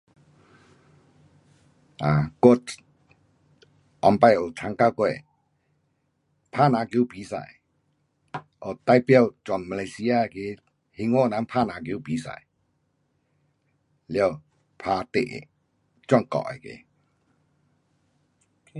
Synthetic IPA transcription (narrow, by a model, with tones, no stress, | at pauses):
a˨ko˥˦˨t | ʔɔ˨mpa˥˧˨jo˨tʰa˧˦ŋka˥˨kwɛ˥˧˨ | pʰa˥˨na˨˧kjo˧˦pi˨˦sa̰˨j | ʔo˨t̪a˥˨jpjɔ˥˧˨wt͡ɕwa˨nma˧la˧jsi˧˦a˧˨ke˧˨ | hi˧˦ŋwo˥˦˨na˨˧˦npʰa˥˨na˨˧kjo˧˦piː˨˦sa̰˨j | ljɔ˥˧˨ | pʰa˧t̪ḛ˨ʔ | t͡ɕwɔ˥˨ŋkɔ̰˨ʔa̰˨kḛ˨